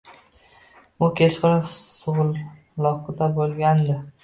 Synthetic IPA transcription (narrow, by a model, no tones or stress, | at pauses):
ʊkʲʰet͡ʃqɨlɪsʊʁʊlˠ | lɒqɨd̪abolˠɡʲand̪ɪ